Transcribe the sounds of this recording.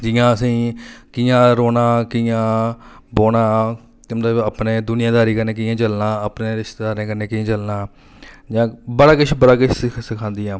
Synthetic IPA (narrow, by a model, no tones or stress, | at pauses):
d͡ʒɪjãːəsĩːkiːãːɾoːnãːkijãːboːnãː | mət̪əbəpneːd̪ʊnɪjãːd̪aːɾiːkəɾneːk̬ɪjãːt͡ʃəlnãːəpneːɾɪʃt̪eːd̪aːɾẽːkəɾneːkiãːt͡ʃəlnaː | d͡ʒãːbəɽaːkɪt͡ʃʰbəɽaːkɪt͡ʃʰssɪkʰãːnd̪ɪːãː